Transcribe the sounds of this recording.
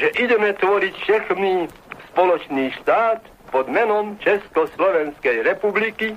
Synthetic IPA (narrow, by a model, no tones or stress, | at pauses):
ʒɛʔiɟɛmɛt̪ʋɔɾicʃɛxmi | spɔlɔt͡ʃniːʃt̪aːt̪ | pɔd̪mɛnɔmt͡ʃɛskɔslɔʋɛnskɛjɾɛpubliki